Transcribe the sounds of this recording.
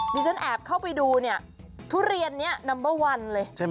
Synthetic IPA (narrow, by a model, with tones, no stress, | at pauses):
diː˧t͡ɕʰa˦˥nʔɛː˨˩p̚kʰa˥˩wpa˧jduː˧ni˦˥˩ɐ | t̪ʰu˦˥ɾi˧ənːi˦˥ɐna˧mbɤː˦˥˩wa˧nlɤː˧jt͡ɕʰa˥˩